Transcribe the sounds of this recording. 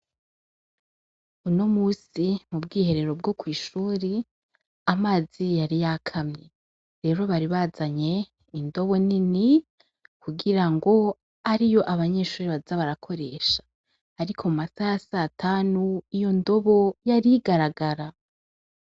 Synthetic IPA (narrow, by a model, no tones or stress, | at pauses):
unomuːsimubɡiːhe̞ɾe̞ɾo̞b̚ɡokwiːʃuːɾi | amaːzijaɾijakʰamɲe | ɾe̞ːɾo̞βaɾiβazaɲe̞ | indo̞βo̞nini | kuɡiɾaŋɡo̞ | aɾijo̞ʔaβaɲe̞ːʃuːɾiβazaβaɾakʰo̞ɾe̞ːʃḁː | ɾikʰo̞mumasajasatʰaːnuijo̞ndo̞βo̞jaɾiɡaɾaɡaɾa